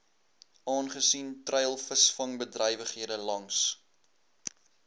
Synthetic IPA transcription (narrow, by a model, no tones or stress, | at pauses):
ʔɑːnχəsintrɛjlˠfəsfɐŋbədrɛjvəχɦiədəlɐŋs